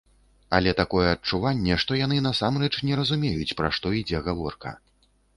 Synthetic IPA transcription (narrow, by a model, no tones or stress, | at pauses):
a̰lʲɛt̪akɔjɛɐt͡ʂuvanʲːɛʂt̪ɔjanɨnɐsamrɛt͡ʂnʲɛɾɐzumʲejut͡sʲpɾa̰ʂt̪ɔid͡zʲɛɣavɔ̰rkɐ̰